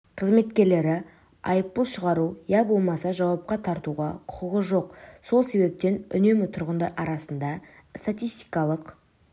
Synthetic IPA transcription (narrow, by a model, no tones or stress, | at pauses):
qʰəzme̞t̪kʲe̞ɾle̞ɾɪ | ɑ̰jəp̚t̪əlˠʃəʁɑɾujɑbo̞lˠmɑsɑʒɑwɑp̚qɑt̪ʰɑɾt̪uʁɑ̰qʰʊ̥qəʁəʒo̞qso̞lˠse̞βe̞p̚t̪e̞nʏ̰ne̞mɪt̪ʰʊɾʁənd̪ɑɾʔɑɾɑsənd̪ɑ | st̪at̪ʲijst̪i̥jkɑlˠəq